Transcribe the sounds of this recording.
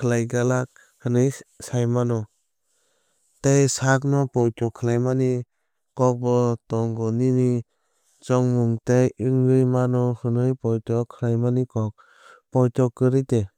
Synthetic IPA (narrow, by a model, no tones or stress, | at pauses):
kʰɯlajɡalak̚ | hɯnɯjsajmanɔ | tejsak̚nɔpɔjtɔkʰɯlajmani | kɔk̚bɔtɔŋɡɔnini | t͡ʃɔŋmuŋtejɯŋɡɯjmanɔhɯnɯjpɔjtɔkʰɯlajmanikɔk̚ | pɔjtɔkɯɾite